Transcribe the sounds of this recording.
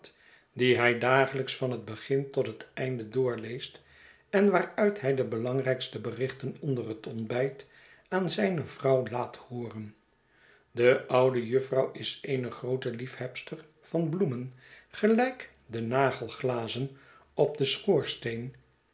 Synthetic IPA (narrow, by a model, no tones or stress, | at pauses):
t | diɦɛjdaːχələksfɑnɦəd̚bəχɪntɔtɦətɛjndədʊːɹlejst | ɛnʋaːɹœɥtɦɛjdəbəlɑŋrɛjkstəbərɪχtənɔndərɦətɔnbɛjt | aːnzɛjnəv̥rɑwlaːthoːrən | dəʔʌwdəjʏfrɑwɪsejnəχrowtəlifhɛpstər | v̥ɑnblumən | χəlɛjk | dənaːχəlˠχlaːzən | ɔb̚dəsχʊːɹstejn